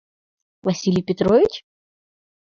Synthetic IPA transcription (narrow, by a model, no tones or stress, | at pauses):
vɐsʲilʲɪjpʲɪt̪ɾovʲɪt͡ɕ